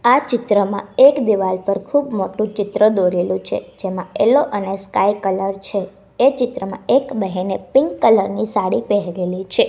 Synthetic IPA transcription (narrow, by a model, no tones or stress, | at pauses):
at͡ʃɪt̪ɾəmãekd̪iʋalpəɾkʰubmoʈũt͡ʃɪt̪ɾəd̪oɾelũt͡ʃʰḛd͡ʒemãeloʔəneskaikələɾt͡ʃʰeː | t͡ʃɪt̪ɾəmã̰ekbəɦinepɪŋkːələɾnisaɽipɛɦɾelit͡ʃʰe